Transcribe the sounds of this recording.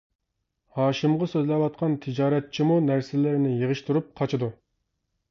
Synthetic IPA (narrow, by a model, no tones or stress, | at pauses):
hɑːʃimʁɑsøzlɛwɑt̪̚qʰɑnt̪ʰɨd͡ʒɑːɾɛt̪̚t͡ʃʰimunæɾsɪlɪɾnɪjəʁəʃt̪ʰuɾup̚qʰɑt͡ʃʰɨd̪u